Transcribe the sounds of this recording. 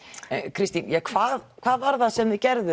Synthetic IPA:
kʰɾɪst̪injɛkʰvaːðkʰv̥aːðvaɾðaðsɛmðɪcɛɾðʏ

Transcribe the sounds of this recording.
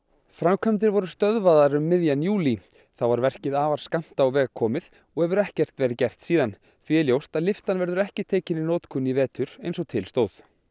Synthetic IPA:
fɾamkʰœmt̪̬ɪɾvɔɾʏst̪œðvaðaɾʏmːɪðjanjuːli | θawvaɾvɛr̥cɪðaːvaɾ̥skam̥t̪awvɛːɣkʰɔːmɪð | ɔɣhɛvʏɾɛhcɛr̥t̪vɛːɾɪcɛr̥t̪siːðan | θviɛljowst̪aðlɪft̪anvɛɾðʏɾɛhcɪt̪ʰeːcɪnɪnoːwt̪kʰʏnːivɛːt̪ʏɾejns̬ɔt̪ʰɪlst̪oːwθ

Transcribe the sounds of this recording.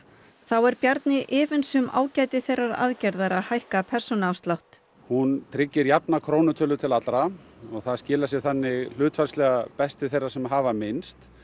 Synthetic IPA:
θawɛɾpjaɾt̪nɪʔɪːvɪnsʏma̰ːwcaːjt̪ɪθejrːaɾa̰ðcɛɾðaɾahajhkapʰɛr̥sɔnawst̪lawht̪ | hunt̪ʰɾɪcːɪɾjap̚nakʰɾoːwnʏt̪ʰœːlʏt̪ʰɪlat̪lɾa | ɔɣθaðscɪːlasjɛɣθanːɪɣl̥ʏːt̪falslɛɣapɛst̪ɪθejrasɛmɦaːvamɪnst̪

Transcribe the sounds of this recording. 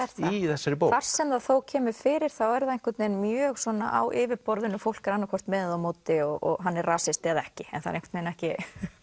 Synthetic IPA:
ɛɾ̥θaiθɛsːaɾɪpoːwvar̥sɛmðaθowcʰɛːmʏfɪːɾɪɾ̥θawɛɾðaðejŋ̥kʏɾt̪nejnmjœœːɣswɔna̰ʔawʔɪːvɪɾpɔɾðɪnʏfowl̥kaɾanːakʰɔr̥t̪mɛːððawmoːt̪ɪɔɣɔ̰ɣɦanːɛrraːsɪst̪ɪaðɛhcɪɛ̰nθað̰ɾẽŋkʏ̥t̪ːejnɛhcɪ

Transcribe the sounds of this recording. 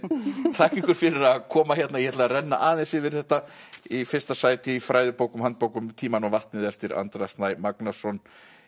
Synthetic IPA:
t̪ʰaːhcɪŋkʏɾ̥fɪɾɪɾakʰɔːmaçɛt̪najɛhɛt̪lɛaɾɛnːa̰ʔaːðɪnsɪvɪɾ̥θɛht̪aifɪr̥st̪asaːjt̪ɪifɾaːjðʏpoːwkʏmant̪̚poːwkʏmt̪ʰiːmanɔɣvaht̪nɪðɛft̪ɪɾa̰nt̪ɾast̪najmaknasɔn

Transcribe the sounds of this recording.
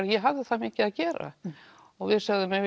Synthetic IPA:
ɾjɛɦavðɪθamɪːcɪaðcɛːɾa̰ | ɔɣvɪðsaɣðʏmɛv

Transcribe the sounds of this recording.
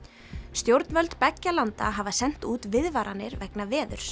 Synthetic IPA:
st̪jowɾt̪nvœlt̪pɛcːalant̪a̰ɦavasɛn̥t̪uːt̪vɪðvaɾʔanːɪɾvɛknavɛːðʏ̰ɾ̥

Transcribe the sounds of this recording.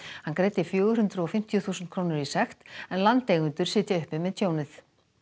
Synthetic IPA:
hankɾeːjt̪ɪfjœːɣʏɾ̥hʏnt̪ɾʏɔfɪm̥t̪jʏθuːsnt̪̚kʰɾoːwnʏɾisɛxt̪ɛnlant̪eːjɣʏnt̪ʏɾ̥sɪːt̪jɪʏhpɪmɛðt̪ʰjoːwnɪθ

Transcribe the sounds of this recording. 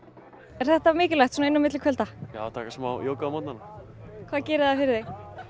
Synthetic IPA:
ɛɾ̥θɛht̪amɪːcɪlajxt̪sɔːnaɪnːʏmɪt̪lɪkʰvœlt̪aja̰at̪ʰaːkasmawjowkaamat̪nanakʰvaːðcɛːɾɪððafɪɾɪɾðej

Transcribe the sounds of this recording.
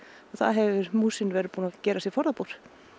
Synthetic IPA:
ɔɣθa̰ðɦɛvʏɾmuːsɪnvɛːɾɪpuːnacɛːɾasifɔɾðapuɾ̥

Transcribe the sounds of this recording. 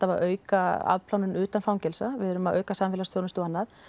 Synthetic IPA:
t̪ːavaʔœːɥkaa̰ðpʰlawnʏnʏːt̪anfawɲcɛlsavɪðɛɾʏmaðʔœːɥkasaːmfɪlast̪jowɾnnt̪uanːað

